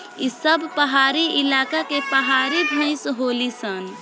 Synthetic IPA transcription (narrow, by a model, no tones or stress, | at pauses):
isəbʱpəɦaɾiɪlakakepəɦaɾibʱə̃ɪ̃sɦolisən